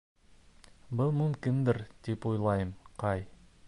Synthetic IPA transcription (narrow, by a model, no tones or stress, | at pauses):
bɤlˠmɵ̆mkɪnd̪ɘɾd̪ipujlˠɑjɤmqɑj